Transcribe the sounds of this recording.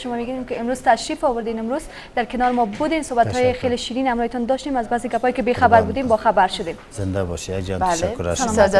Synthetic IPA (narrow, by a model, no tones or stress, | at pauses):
ʃʊmɔmeɡinemkɪɪmɾuz̥t̪aʃɾifɔwʊɾd̪enɪmɾuz | d̪̥aɾkɪnɔɾɪmɔbud̪ensobat̪hɔjexeleʃiɾinhamɾɔhet̪ɔnd̪ɔʃt̪emazbazeɡapɔjekɪbexabaɾbud̪embɔxabaɾʃʊd̪emz̥ɪnd̪abɔ̰ʃija̰ɡd͡ʒabalkːʊɾʃaza